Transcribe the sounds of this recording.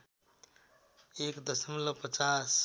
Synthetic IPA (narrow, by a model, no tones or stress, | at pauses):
ekd̪əsəmləpət͡ʃas